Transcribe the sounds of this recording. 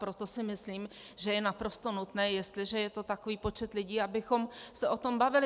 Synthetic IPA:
pɾot̪o̞sɪmɪsliːm | ʒɛjɛnapɾost̪onut̪nɛːjɛst̪lɪʒɛjɛt̪o̞t̪akoviːpo̞t͡ʃɛt̪lɪɟiːabɪxo̞msɛʔo̞t̪o̞mbavɪlɪ

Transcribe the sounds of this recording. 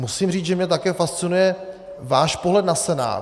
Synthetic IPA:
musiːmriːt͡sʒɛmɲɛt̪akɛːfast͡sɪnujɛ | vaːʃpoɦlɛd̪nasɛna̰ː

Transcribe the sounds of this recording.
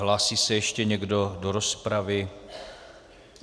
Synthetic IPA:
ɦlaːsiːsɛjɛʃcɛɲɛɡdo̞doɾospɾavɪ

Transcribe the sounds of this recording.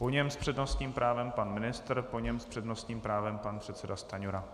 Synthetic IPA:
po̞ɲɛmspr̥ɛdno̞st̪ɲiːmpɾʔaːvɛmpanmɪnɪst̪ɾpoɲɛmspr̝̥ɛdnost̪ɲiːmpɾaːvɛmpanpr̝̥ɛt̪sɛdast̪aɲuɾa

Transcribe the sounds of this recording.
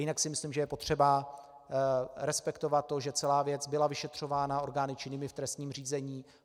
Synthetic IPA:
jɪnaksɪmɪsliːmʒɛjɛpot̪r̝̥ɛba | ɾɛspɛkt̪ovat̪ːo̞ʒɛt͡sɛlaːvjɛt͡sbɪlavɪʃɛt̪r̝̥o̞vaːnao̞ɾɡaːnɪt͡ʃɪnɪmɪft̪ɾɛst̪ɲiːmr̝iːzɛɲiː

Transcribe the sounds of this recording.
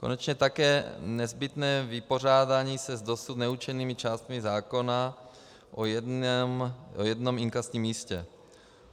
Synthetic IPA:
ko̞̰nɛt͡ʃɲɛt̪akɛːnɛzbɪt̪nɛːvɪpo̞r̝aːdaɲiːsɛzdosut̪nɛut͡ʃɛniːmɪt͡ʃaːst̪mɪzaːko̞na | ʔomojɛdno̞miŋkasɲiːmːiːscɛ̰

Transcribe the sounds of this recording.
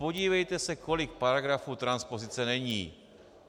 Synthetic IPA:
poɟiːvɛjt̪ɛsɛko̞lɪk̚paɾaɡɾafuːt̪ɾanspozit͡sɛnɛɲḭː

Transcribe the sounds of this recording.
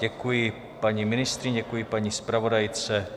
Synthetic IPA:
ɟɛkujɪ | paɲimɪnɪst̪ɾɪɲɟɛkujɪpaɲispɾavo̞dajt͡sɛ

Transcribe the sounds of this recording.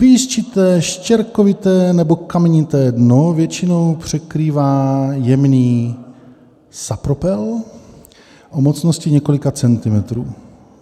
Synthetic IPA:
piːst͡ʃɪt̪ɛːʃcɛɾkovɪt̪ɛːnɛbo̞kamɛɲɪt̪ɛːdnovjɛt͡ʃɪno̞wpr̝̥ɛkɾiːvaːjɛmniː | sapɾopɛl | ʔomot͡snoscɪɲɛko̞lɪkat͡sɛnt̪ɪmɛt̪ɾuː

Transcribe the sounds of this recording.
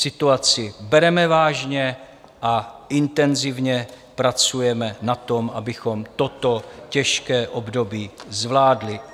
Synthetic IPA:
sɪt̪uat͡sɪbɛɾɛmɛvaːʒɲɛ | ʔaʔɪnt̪ɛnzɪvɲɛ | pɾat͡sujɛmɛnat̪o̞mʔabɪxo̞mt̪o̞t̪o̞cɛʃkɛːʔobdo̞biːzvlaːdlɪ

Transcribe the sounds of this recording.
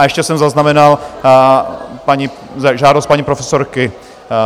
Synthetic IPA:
ɛʃcɛsɛmzaznamɛnal | paɲi | zʒaːdost̪̚paɲipɾofɛsoɾkɪ

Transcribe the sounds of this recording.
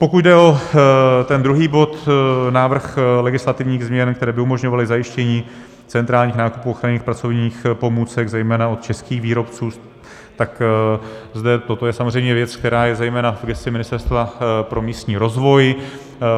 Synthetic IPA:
po̞kut̪dɛo̞ | t̪ɛnd̪ɾuɦiːbo̞t̪naːvr̩xlɛɡɪslat̪ɪvɲiːɣzmɲɛnk̚t̪ɛɾɛːbɪumo̞ʒɲo̞valɪzajɪʃcɛɲiː | t͡sɛnt̪ɾaːlɲiːxnaːkupuːoxɾaɲiːxpɾat͡so̞vɲiːxpo̞muːt͡sɛɡzɛjmɛːnaot̪̚t͡ʃɛskiːxviːɾo̞pt͡suː | t̪ak | zdɛt̪o̞t̪o̞jɛsamor̝ɛjmɲɛvjɛt͡skt̪ɛɾaːjɛzɛjmɛːnavɡɛsɪmɪnɪst̪ɛɾst̪vapɾo̞miːst̪ɲiːɾo̞zvo̞j

